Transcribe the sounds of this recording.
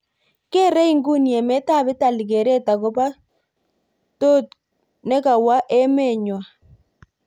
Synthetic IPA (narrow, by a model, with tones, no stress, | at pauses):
ke˦ɾe˦i˦ŋɡu˦njɛ˨mɛ˦ta˦˨bɪ˦ta˨li˨ke˨ɾe˦ta˨ko˦pa˦ | to˦t | ne˦ka˨wa˦ʔe˦me˦˨ɲwa˨